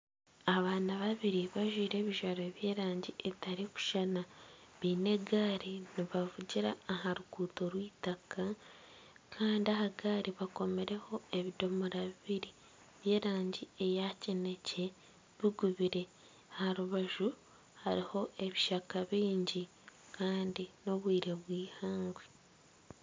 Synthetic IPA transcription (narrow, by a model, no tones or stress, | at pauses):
aβaːnaβaβiɾiβaʒwiːɾe̞ːβiʒaɾoβje̞ːɾaːɲɟiʔeβitaɾiku̥ʃanaβiːne̞ɡaːɾiniβavuɟiɾaːɦaɾuɡuːto̞ɾwiːtaka | kʰaːndiaɦaɡaːɾiβako̞me̞ɾe̞ho̞e̞βido̞moɾaβiβiɾi | βje̞ːɾaːɲɟie̞jacene̞ce̞ | βiɡuβiɾe̞ | haɾuβaʒu | haɾiho̞ʔe̞βiʃakaβiːɲɟi | kaːndino̞βwiːɾe̞βwiːhaːŋɡwe